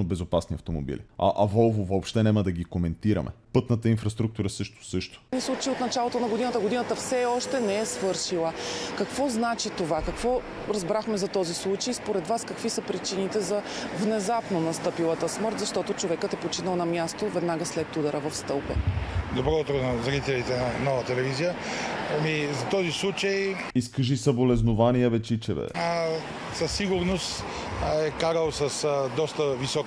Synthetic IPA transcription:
obɛzopasniɐft̪omo̰bḭlḭɐ̰ʔɐvɔlˠvovoːpʃt̪ɛnɛməd̪ɐɡikomɛnt̪iɾɐ̰mʔɛ̰pɤt̪nət̪əinfɾɐst̪ɾuk̚t̪uɾəsɤʃt̪o̥sɤʃt̪o̥nislˠut͡ʃjot̪nɐt͡ʃalˠot̪onɐɡod̪inət̪əɡod̪inət̪əfsɛɔʃt̪ɛnɛɛsvɤɾʃilˠəkɐkvɔznat͡ʃit̪ovakɐkvɔ | ɾɐzbɾaxmɛzɐt̪ɔzislˠut͡ʃejspoɾɛd̪vaskəkvisəpɾit͡ʃinit̪ɛzɐvnɛzapnonɐst̪ɤpilˠət̪əsmɤɾt̪zɐʃt̪ɔt̪ot͡ʃovɛkət̪ɛpot͡ʃinəlˠnɐmjast̪ovɛd̪naɡəslɛt̪ːud̪əɾəvɐfst̪ɤlˠpə̰d̪obɾɔt̪ɾonɐzɐɾit̪ɛlit̪ɛnɐnɔvɐt̪ɛlɛvizijəɐmizɐt̪ɔzislˠut͡ʃəj | iskəʒisɐbolɛznovanijəvɛt͡ʃit͡ʃɛvɛ̰ | sɐsːiɡʊɾnost̪ | ɛkaɾəlˠsəsd̪ɔst̪əvisɔk

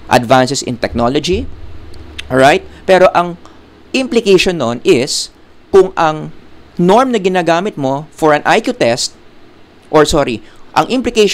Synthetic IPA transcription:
ʔɐ̰d̪vansɛsɪ̰nt̪ɛk̚nolod͡ʒi | ɹajt̪̚pɛɾo̞ʔɐŋ | ʔɪmplɪkejʃonːonʔɪs | kʊŋʔɐŋno̞ɹmnɐɡɪnaːɡaːmɪt̪̚mo̞fɔɹɐnʔajkjut̪ɛst̪̚ | ʔɔɹsoɾiʔɐ̰ŋʔɪmplɪkejʃ

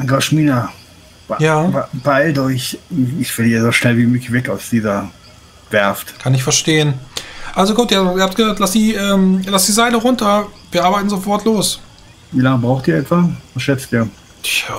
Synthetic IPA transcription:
ʔaŋɡaʃmiːnḁ | jaːab̥aɪldɔɪçɪçfɛliːəzoʃnɛlviːmøːkçvɛkaʊsd̥iːzɐ | vɛɐftkʰanɪçfɛɐʃteːənʔalzoɡuːtiːɐiːɐhapt̚ɡ̥əzaːtlasd̥iːʔɛːmlasd̥iːzaɪləʁʊntɐviːɐʔaːbaɪtn̩zofɔɐtʰloːs | viːlaŋəbʁaʊxtiːɐɛtv̥avasʃɛt͡stiːɐ

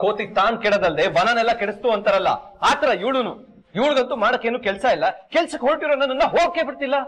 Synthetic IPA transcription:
koːt̪iɡ̚t̪aːnkɛɽɐd̪ɐld̪eʋɐnɐnɛlːɐkɛɽest̪uɐnt̪ɐɾɐlːɐ̰aːt̪ɐɾɐiʋɭunu | iːɭɡɐnt̪umaːɽɐkːe̞ːnuːkɛlsɐilːɐkɛlsɐkːeɦoɭʈiɾonɐnːɐnːɐɦoːɡkːeːbiɽt̪ilːɐ

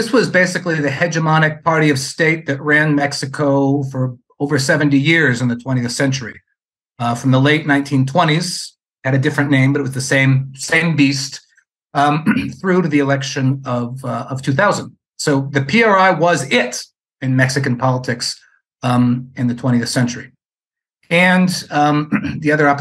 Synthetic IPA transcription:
ðɪswʌzbeɪsɨkliðɨhɛd͡ʒɨmɑñɨk̚pʰɑɹɾiʌv̥steɪt̪̚ðɨt̚ɹæ̃nmɛksɨkʰoʊfə˞ | oʊvə˞sɛvɨ̃n̩tijɪɹzɨ̃nðɨtʰw̥ɛ̃ɾ̃iɨθsɛ̃nt͡ʃə˞i | fɹʌ̃mðəleɪtⁿnãɪ̃ntʰĩntʰw̥ɛ̃ɾ̃iz̥ | hɨɾɨdɪfɹɨ̃nːẽɪ̃mbʌɾɨt̚wʌzðɨsẽɪ̃msẽɪ̃mbist | θɹʉɾɨðiɨlɛkʃɨ̃nʌvʌv̥tʰʉθaʊzɨ̃nd | soʊðɨpʰiɑɹaɪwʌzɪɾ | ɨ̃nmɛksɨkɨ̃n̩pʰɑlˠətʰɪks | ɨ̃nðɨtʰw̥ɛ̃ɾ̃iɨθsɛ̃nt͡ʃə˞i | ɨ̃n | ðiʌðə˞ɑp

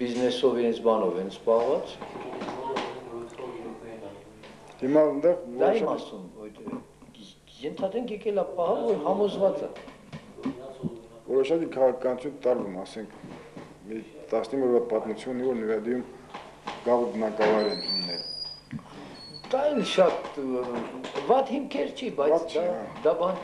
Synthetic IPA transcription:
b̥iznɛsɔviɾɛnt͡sʰbɑnɔvɛnt͡sʰpɑhvɑt͡s | himɑənd̪ɛʁvɔd̪imɑsumɔjt̪ɛ̰ | jɛnt̪ʰɑd̪ɾɛŋkʰjɛkɛlɑpɑhɑlvɔɾɦɑmɔzvɑt͡sə̰ | vɔɾɔʃɑkikʰɑʁɑkʰɑkɑnut͡sʰunt̪ɑɾvumɑsɛŋkʰ | mit̪ɑsnimɔɾvɑt̪̚pɑt̪mut͡sʰjunːivɔɾnəɾɑd̪ijum | ɡɑʁəbənɑkɑvɑjɾɛnt̪ʰunnɛl | d̪ɑɛlʃɑt̪ | vɑt̪himkʰɛɾt͡ʃʰibɑjt͡sʰt͡ʃʰd̪ɑbɑn

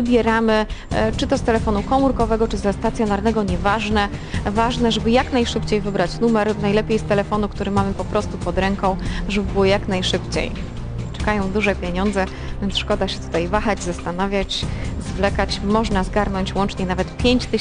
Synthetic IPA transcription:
vɘbʲjɛɾamɘt͡ʂɘt̪ɔst̪ɛlɛfɔnukɔmuɾkɔvɛɡɔt͡ʂɘzɛst̪at̪sʲjɔnaɾnɛɡɔɲɛvaʐnɛvaʐnɛʐɛbɘjaknajʂɘpt͡ɕejvɘbɾat͡ɕnumɛɾnajlɛpʲjejst̪ɛlɛfɔnukt̪uɾɘmamɘpɔpɾɔst̪upɔd̪ɾɛŋkɔ̃w̃ʐɛbɘbɘwɔjaknajʂɘpt͡ɕḛj | t͡ʂɛ̥kajɔ̃w̃d̪uʐɛpʲjeɲɔnd̪zɛ | vʲjɛnt̪sʂkɔd̪aɕɛt̪u̥t̪ajvaxad͡ʑzast̪anavʲjat͡ɕzvlɛkat͡ɕmɔʐnazɡaɾnɔɲt͡ɕwɔnt͡ʂɲɛnavɛt̪pʲjeɲt͡ɕt̪ɘ

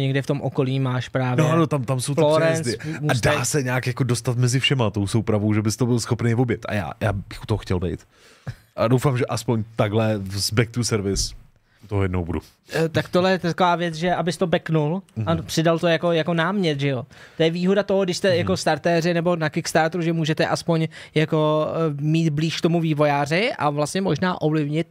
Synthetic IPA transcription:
ɲɛɡdɪft̪o̞mʔoko̞liːmaːʃpɾaːvnoɛanot̪amt̪amsowfloɾɛnsɪmuadaːsɛɲaːkjakodo̞st̪at̪mɛzɪfʃɛmat̪o̞wsowpɾavowʒɛbɪst̪obɪlsxo̞pnejvobjɛt̪ʔa̰ja̰ːja̰ːbɪxʔut̪oɦoxcɛlbɛ̰jt̪ | ʔadowfaːmʒɛʔaspoɲt̪aɡlɛvzbɛk̚t̪usɛɾvɪs | ut̪oɦojɛdnowbudṵ | t̪akt̪oɦlɛjɛt̪akovaːvjɛt͡sʒɛʔabɪst̪o̞bɛknulapr̥ɪdalt̪ojako̞jako̞naːmɲɛt̪ʒɛjot̪ojɛviːɦodat̪o̞ɦoɡdɪʃst̪ɛjako̞st̪aɾt̪ɛːrɪnɛbo̞nakɪkst̪aɾt̪ɾuʒɛmuːʒɛt̪ɛʔaspo̞ɲjako̞miːt̪bliːʃkt̪omuviːvo̞jaːrɪʔa̰vlastɲɛmo̞ʒnaːʔo̞vlɪvɲɪt̪

